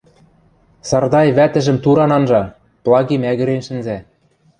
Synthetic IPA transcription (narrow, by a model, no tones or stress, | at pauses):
sɑrd̪ɑjβæt̪ɘ̆ʒɘ̆mt̪uɾɑnɑnʒɑ | plˠɑɣimæɣɘ̆ɾenʃɘ̆nzæ